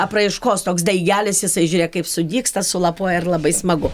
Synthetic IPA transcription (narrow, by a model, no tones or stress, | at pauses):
ɐprɐɪʃkoːst̪oːksd̪ɐɪɡʲæːlʲɪsjɪsɐɪʒʲuːɾʲeːɛkɐɪpsʊd̪ʲiːkst̪ɐsʊlˠɐpoːɔjɛɪrlˠɐbɐɪsmɐɡʊ